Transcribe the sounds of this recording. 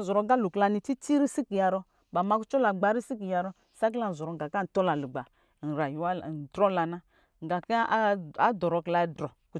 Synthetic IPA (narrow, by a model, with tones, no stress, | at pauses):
zɔ˨ɾɔ˨ɡa˦lu˨kla˧ni˨ti˦ti˦ɾi˦si˦ki˨ja˨ɾɔ˦ | ba˨ma˦ku˦t͡ʃɔ˦la˨ɡ͡ba˨˦ɾi˦si˦k̬i˨ja˨ɾɔ˦ | sa˦k̬i˦la˨zɔ˨ɾɔ˨ŋ˨ɡa˨ka˦n̩˨tɔ˦la˨li˨ɡ͡ba˨ | n̩˨ɾa˨ju˨wa˦˨dɾɔ˦la˨na˦ | ŋ˨ɡa˨ka˦a˦dɔ˨ɾɔ˨kla˨˦dɾɔ˨ku˨